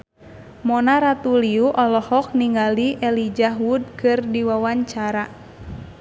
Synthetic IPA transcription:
mɔnaɾat̪uliuʔɔlɔhɔk̚niŋɡaliʔɛlid͡ʒaɦwud̚kɨrdiwawaɲt͡ʃaɾa

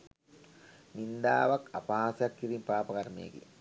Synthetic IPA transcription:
nind̪a̰ːʋɐkɐpaːsjakːiɾimpaːpɐkɐɾmḛːɡḭ

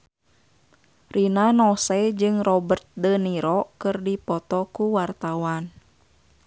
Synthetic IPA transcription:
rʔinanɔsɛd͡ʒɨŋrɔbərt̪̚dəniɾɔkɨrdipɔt̪ɔkuwart̪awan

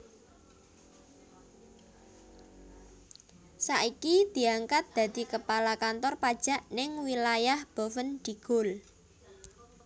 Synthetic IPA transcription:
saʔikid̪̥i̤aŋkat̪̚d̪̥ä̤d̪̥i̤kəpalakant̪ɔrpad̥ʒ̥a̤ʔnɪŋwilajahb̥o̤fənd̪̥i̤ɡ̥ʊ̤l

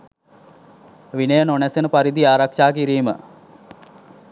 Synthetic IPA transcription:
ʋinəjənonæsenəpaɾid̪iaːɾakʂaːkiɾiːmə̰

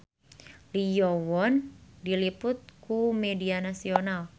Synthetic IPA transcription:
lijɔwɔndilipʊt̪̚kumedianasional

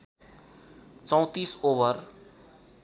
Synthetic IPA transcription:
t͡sʌ̃w̃t̪isobʌr

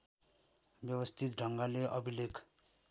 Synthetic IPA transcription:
bjʌwʌst̪ʰit̪ɖʱʌŋɡaleʔʌbilekʰ

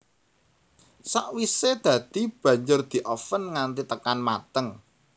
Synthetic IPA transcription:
saʔwised̪̥ä̤d̪̥i̤b̥ä̤ɲd͡ʒʊrd̪̥i̤ʔɔfənŋant̪it̪əkanmat̪əŋ

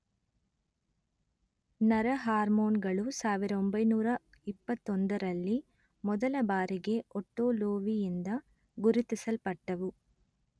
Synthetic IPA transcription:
nɐɾɐɦaːɾmoːnɡɐɭusaːʋiɾɐombɐjnuːɾɐ | ipːɐt̪ːɔnd̪ɐɾɐlːi | mɔd̪ɐlɐbaːɾiɡe̞ɔʈːoːloːʋijind̪ɐ | ɡuɾit̪isɐlpɐʈːɐʋu

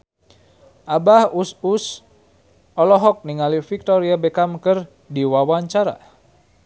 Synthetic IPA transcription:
ʔabahusus | ɔlɔɦɔk̚niŋalifik̚t̪ɔɾiabɛkamkər | diwawaɲt͡ʃaɾa̰

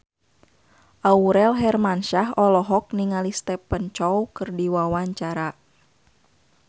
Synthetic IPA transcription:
ʔauɾɛlɦɛrmanʃaɦɔlɔɦɔk̚niŋalist̪ɛpːənt͡ʃɔwkɨrdiwawaɲt͡ʃaɾa

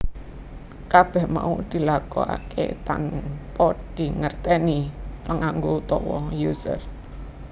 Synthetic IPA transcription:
kab̥ɛhma̰ud̪̥i̤lakɔa̰kḛt̪a̰npɔd̪̥i̤ŋərt̪ɛnipəŋaŋɡout̪ɔwɔjusə̰r

